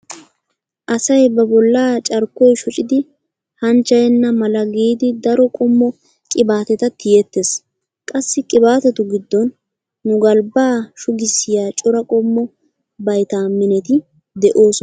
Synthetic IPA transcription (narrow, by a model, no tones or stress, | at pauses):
ʔɐsɐjbɐbɔlːaːt͡ʃʼɐɾkːɔjʃɔt͡ʃʼɪd̪ɪ | hɐnt͡ʃːɐjɛnːɐmɐlɐɡiːd̪ɪd̪ɐɾɔkʼɔmːɔ | kʼɪbaːt̪ɛt̪ɐt̪ːɪjɛt̪ːes | kʼɐsːɪkʼɪbaːt̪ɛt̪ʊɡɪd̪ːɔnː | ʊɡɐlbaːʃʊɡɪsːɪjaːt͡ʃʼɔɾɐkʼɔmːɔ | bɐjt̪amɪnɛt̪ɪ | d̪ɛʔoːsɔ